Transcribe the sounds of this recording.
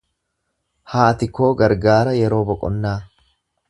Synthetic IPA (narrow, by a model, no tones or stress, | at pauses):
haːt̪ɪkːo̞ːɡɐɾɡaːɾɐjɛɾo̞ːbɔkʼɔnːaː